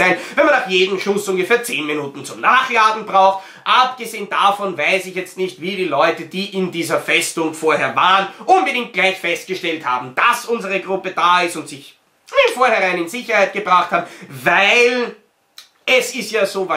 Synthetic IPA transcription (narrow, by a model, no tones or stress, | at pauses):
æɪnvɛnmanːaχjeːdm̩ʃʊsʊŋɡəfeːɐt͡seːnminuːtn̩t͡sʊmnaːχjaːɡŋ̩bʁaʊxt | ʔap̚ɡ̥əzeːənd̥afɔnvaɪsɪçjɛt͡stnɪçtv̥iːɾiːlɔʏtəd̥iːʔɪndiːzɐfɛstʊŋfoːɐɦeːɐvaːʁənʔʊnbədɪŋk̚t̚ɡ̥laɪçfɛst̚ɡ̥əʃtɛltha̰ːbm̩d̥asʔʊnzəʁəɡʁʊpəd̥aːɪstʊntz̥ɪç | ɪfoːɐhɛʁaɪ̃nɪnzɪçɐhaɪt̚ɡ̥əbʁaχthaːbm̩vaɪl | ʔɛsɪstjaːzoːva